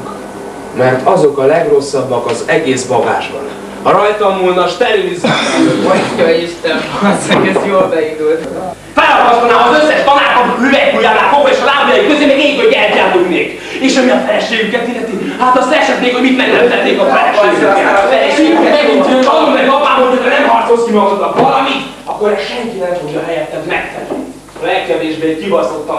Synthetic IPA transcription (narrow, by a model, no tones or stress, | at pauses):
mɛrt̪ʰɒzo̞kɒlɛɡro̞sːɒbːɒkɒzɛɡeːsbɒɡa̰ːʒbɒ̰n | ɒɾɒjt̪ɒmːulnɒʃt̪ɛɾyizaomɔjkɒeʃt̪ɛnsɛɡesjolbɛind̪ult̪ | faːɾɒlɡɒt̪onaːɦɒzøsːɛʃt̪ɒnaːkomyvɛujaːlaːkokɔeːʃɒlaːblijɒjikːøzeːmɛɡeːkojɛlt̪jaːlulneːk | eːʃɒmiɒfɛɛʃeːɡykɛt̪ilːɛt̪i | hat̪ɒst̪ɛɛʃɛt̪meːkhoɟmit̪mɛɡlɛmt̪ɛt̪ːeːkɒfɛɾɛʃeːɡɛafɛɾɛʃeːɡyɛmɛɡint̪ɒnomɛɒpaːmoltʰocʰɒnɛmɦɒrt̪soskimɒkt̪ot̪ːɒkʋɒlɒmit̪ | ɒkːoɾɛʃɛŋkinɛmoɡɒɦɛjɛt̪ːɛt̪mɛkt̪ɛɾy̰n | lɛkːɛveːʒbeːkibɒsot̪ːɒ